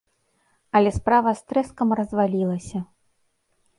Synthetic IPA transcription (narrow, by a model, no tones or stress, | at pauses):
ɐlʲɛspɾavɐst̪ɾɛskɐmrɐzvalʲilˠɐsʲɐ